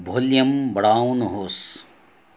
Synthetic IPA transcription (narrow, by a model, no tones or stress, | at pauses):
bʱoljɐmbɐɽaːwnɦoːs